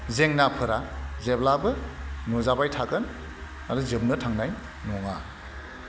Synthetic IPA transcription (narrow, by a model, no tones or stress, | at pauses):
zeŋnapʰɯɾazeblabɯnɔzabajtʰakɯn | aduzɯb̚nɯtʰaŋnaj | nɔŋa